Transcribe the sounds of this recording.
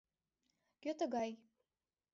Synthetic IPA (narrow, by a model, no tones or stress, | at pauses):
ɡ̥ʲotʰaɡaj